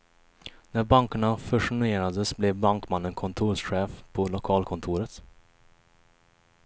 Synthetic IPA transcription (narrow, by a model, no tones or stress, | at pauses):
næbɑŋkɑnɑfœʂʊnʉeːɾɑd̪əsblɛːbɑŋkmɑnənkʰʊnt̪ʰuːsɧeːfpʰoːlʊkʰɑːlkʰʊnt̪ʰuːɾət̪